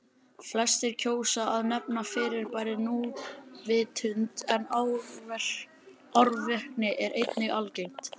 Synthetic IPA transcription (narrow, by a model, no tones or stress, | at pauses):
flɛst̪ɪɾ̥cʰoːwsaʔaðnɛpnafɪːɾɪɾpaːjɾɪnuvɪːt̪ʰʏnt̪ɛnḁ | aɾvɪhknɪʔɛɾʔejt̪nɪalcejm̥t̪